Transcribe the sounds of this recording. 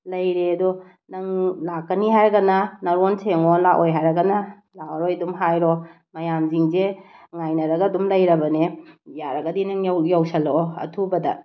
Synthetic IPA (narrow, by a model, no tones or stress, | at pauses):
lɐjɾeɐdu | nɐŋlakːɐniɦajɾɐɡɐnɐnɐɾonsʰeŋolaʔojɦajɾɐɡɐnɐ | laɐɾojdumɦajɾo | mɐjamziŋzeŋajnɐɾɐɡɐːdumlɐjɾɐbɐnejaɾɐɡɐdinɐŋjwjawsɐloɐ̰tʰubɐdɐ̰